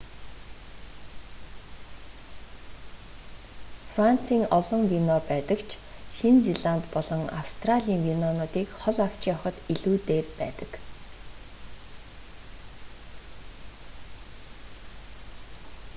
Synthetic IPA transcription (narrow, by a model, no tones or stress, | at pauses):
fran̥t͡siːŋɔɮɞ̆ŋwinɔpæːt̪ə̆kt͡ɕʰ | ʃint͡seɮant̪pɔɮɞ̆ŋa̰w̥st̪raɮʲiːŋwinɔnʊːt̪iːkχɔɮaw̥t͡ɕiːŋɔχə̆t̪iɮuːt̪eːrpæ̰ːt̪ə̥̆k